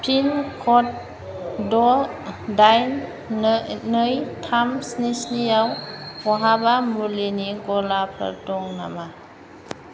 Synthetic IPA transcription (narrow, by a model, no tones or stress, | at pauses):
pʰinkʰɔt̚ | dɔdajn | nɯjtʰamsnisnijawɔɦabamuɾliniɡɔlapʰa̰ɾtɔŋna̰ma